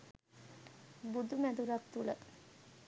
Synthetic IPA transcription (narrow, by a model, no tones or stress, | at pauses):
bud̪umæd̪uɾakt̪ulə